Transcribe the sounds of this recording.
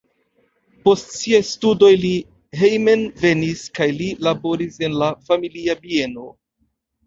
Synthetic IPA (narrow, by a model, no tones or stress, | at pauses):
po̞stsiajstudo̞jli | ɦejme̞nve̞niskajlilabo̞ɾise̞nlafamiliabie̞no̞